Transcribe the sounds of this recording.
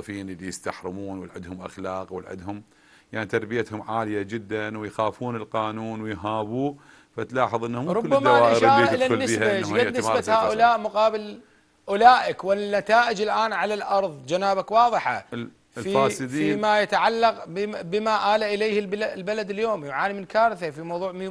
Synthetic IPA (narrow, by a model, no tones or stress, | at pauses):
fiːnʔɪlːijɪst̪aħɾɪmuːnwɪlʕɪ̰d̪hʊmʔa̰xlaːqwɪ̰lʕɪ̰d̪hʊm | jaʕnit̪ɑɾˤbɪjat̪hʊmʕaːlɪjad͡ʒɪd̪ːanwɪjxaːfuːnɪlqɑːnuːnwɪjɦaːbuː | fat̪laːħɨðˤʔɪnːhʊmɾˤʊkʊlːbːamːaːawaːʔəɾaːʔɪlanːɪiaʔad͡ʒɡanɪmsabahaaːʔʔʊlaːʔmʊqɑːbɪl | ʔʊlaːʔɪkwɪnːat̪aːʔɪd͡ʒɪlʔaːnʕalalʔɑɾˤðˤd͡ʒanaːbakwɑːðˤɨħɑ̰ | lfifaːsˤɨd̪fiiːmajat̪aʕalːɑqbɪmaʔaːlaʔɪlejːhɪblbalad̪ɪljoːmjʊʕaːnimɪnkaːɾθafimɑwðˤuːʕm